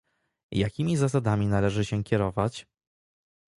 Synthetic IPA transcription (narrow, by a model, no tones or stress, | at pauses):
jakʲimʲizas̬ad̪amʲinalɛʐɘɕɛkʲɛɾɔvat͡ɕ